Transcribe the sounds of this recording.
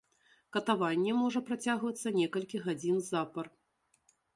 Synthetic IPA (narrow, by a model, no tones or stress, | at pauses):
kɐt̪avanʲːɛmɔʐɐpɾat͡sʲaɣvɐt̪sːɐnʲɛkɐlʲkʲiɣad͡zʲinzapɐr